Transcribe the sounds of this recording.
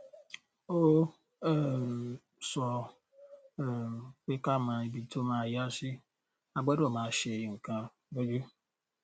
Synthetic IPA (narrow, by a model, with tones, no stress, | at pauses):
o˦ | sɔ˨ | k͡pe˦ka˦ma˨i˨bi˨to˦ma˨ja˦sɪ˦ | a˨ɡ͡ba˦dɔ˨ma˨˦ʃe˨jŋ̩˨ka˦ | bo˦d͡ʒu˦